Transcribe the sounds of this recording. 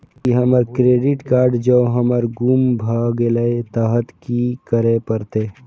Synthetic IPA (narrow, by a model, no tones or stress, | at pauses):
iɦəməɾkɾeːɖɪʈkaːɾɖd͡ʒoːɦəməɾɡumbʱaːɡeləet̪aːɦət̪kikəɾepəɾt̪eː